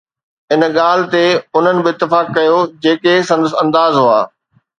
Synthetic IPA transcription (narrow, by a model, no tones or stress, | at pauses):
ɪn̆ɠaːl̤ɪ̆t̪eʊn̤ənɪ̆bɪɪt̪ːɪfaːkːɐjod͡ʑeːkesɐ̃nd̪əsɐ̃nd̪aːzɦoa̰ː